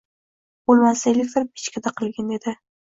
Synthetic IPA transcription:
b̥olˠmasaelʲɪfɪɾp̚i̥t͡ʃkʲʰad̪aqʰɨlˠɡʲand̪ed̪ɪ

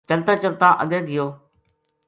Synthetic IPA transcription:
t͡ʃəlt̪aːt͡ʃəlt̪ãːʔəɠəɡɪjoː

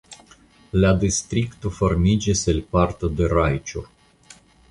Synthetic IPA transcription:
lad̪ist̪ɾikt̪uformid͡ʒeselʲpart̪əd̪eɾajt͡ʃur

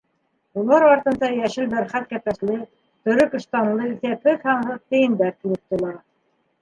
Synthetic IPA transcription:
ulˠɑɾɑɾt̪ɤ̆nd̪ɑjæʃɘlbæɾχæt̪̚kæpæslɘ | t̪ɵ̆ɾɵkɤ̆ʃt̪ɑnlˠɤθæpɘθhɑɴhɤðt̪ɘ̆jɘ̆nd̪æɾt̪ilɘp̚t̪ŭlˠɑ

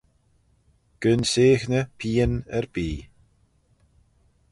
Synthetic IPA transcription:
ɡ̥ənseːxnəpʰiːənɛɹbiː

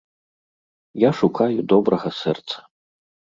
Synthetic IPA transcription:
jaʂukʰajud̪ɔbɾɐɣɐsɛrt̪sɐ̥

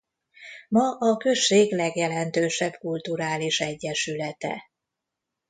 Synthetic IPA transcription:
mɒʔɒkø̞ʃːeːɡlɛɡjɛlɛnt̪øːʃɛbkult̪uɾaːliʃɛɟːɛʃylɛt̪ɛ̰

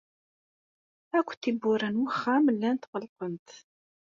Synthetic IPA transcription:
ækʷːθibʊɾænwəχːæməlːænt̪ʁəlqənt̪

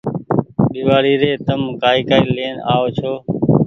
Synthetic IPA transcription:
ɓiːʋaːɽiːɾeːt̪əmkaːiːkaːiːleːna̰ːoːt͡ʃʰoː

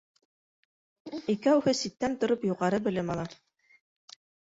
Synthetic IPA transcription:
ikæwhɘsit̪ːænt̪ŏɾopjuʁɑɾɤbɘ̆lɘmɑlˠɑ

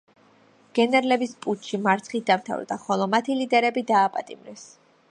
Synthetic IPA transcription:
ɡ̥ɛnɛɾlɛbispʼut͡ʃʰʃimaɾt̪sʰχit̪̚d̪amt̪ʰa̰vɾd̪aχɔlˠɔmat̪ʰilid̪ɛɾɛbid̪aːpʼat̪ʼimɾɛs

